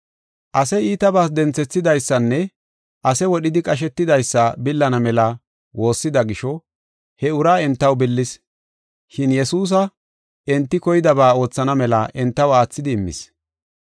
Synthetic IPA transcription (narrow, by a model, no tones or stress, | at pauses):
ʔɐsɛjiːt̪ɐbaːs̬d̪ɛnt͡sɛt͡sːɪd̪ɐjsːɐnːɛ | ʔɐsɛwɔɗɪd̪ɪkʼɐʃ̬ɛt̪ːɪd̪ɐjsːɐbɪlːɐnɐmɛlɐ | wʔo̞ːsːɪd̪ɐɡɪʃɔ | hɛʊɾaːɛnt̪ːɐwbɪlːɪs | ʃɪnjɛsuːs̬ɐ | ɛnt̪ːɪkɔjɪd̪ɐbaːo̞ːt͡sːɐnɐmɛlɐʔɛnt̪ːɐwaːt͡sːɪd̪ɪːmːɪ̰s